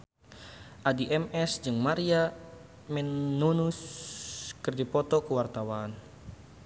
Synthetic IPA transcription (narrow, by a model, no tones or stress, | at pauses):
ʔadiʔɛmɛsd͡ʒɨŋmaɾia | mɛnːunus | kɨrdipɔt̪ɔkuwart̪awaːn